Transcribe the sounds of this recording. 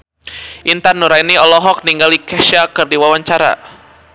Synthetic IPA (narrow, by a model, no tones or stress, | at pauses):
ʔint̪anːuɾainiɔlɔɦɔk̚niŋɡalikɛʃakɨrdiwawaɲt͡ʃaɾa̰